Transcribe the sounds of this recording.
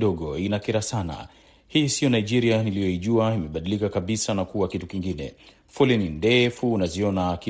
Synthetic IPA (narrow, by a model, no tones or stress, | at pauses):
ɗɔɠɔinakɛɾasana̰ | hisiɔnaiʄiɾianilijɔiʄuaimɛɓaɗilikakaɓisanakuwakitukiŋɡinɛ̰ | fulinindɛfuːnaziɔnaki